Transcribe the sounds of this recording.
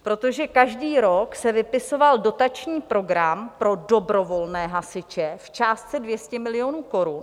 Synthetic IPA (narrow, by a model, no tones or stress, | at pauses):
pɾo̞t̪o̞ʒɛkaʒdiːɾoksɛvɪpɪso̞valdo̞t̪at͡ʃɲiːpɾo̞ɡɾampɾo̞do̞bɾo̞vo̞lnɛːɦasɪt͡ʃɛft͡ʃaːst̪t͡sɛdvjɛscɛmɪlɪo̞nuːko̞ɾun